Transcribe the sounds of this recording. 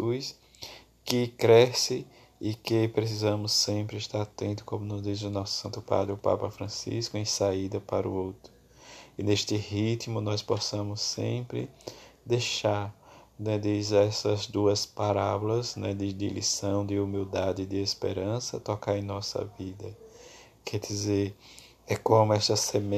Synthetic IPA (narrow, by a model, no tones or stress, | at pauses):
ujs | kɪkɾɛsɪ | ɪkɪpɾes̬izɐ̃mʊsːẽpɾɪɪʃt̪aɾat̪ẽnt̪ʊ̥kõmʊnʊzd̪izʊnɔsʊ̥sɐ̃nt̪ʊpa̰d̪ɾɪʊpa̰pɐfɾɐ̃sḭskʊẽj̃said̪ɐpaɾʊ̰owt̪ɾʊ | ɪneʃt̪ɪhit̪mʊnɔjspɔsɐ̃mʊsːḛ̃mpɾɪ̰d̪ejʃaɾnɛd̪izɛsɐzd̪uɐspaɾabʊlɐznɛd̪ɪd̪ɪ̰lḭsɐ̃w̃d̪ɪumiwd̪ad̪ɪd̪ɪespḛɾɐ̃sɐ̰t̪ɔkaɾẽj̃nɔsɐ̰vid̪ɐ | kʰɛd̪izeɾ | ɛkõmʊɛʃt̪ɐseme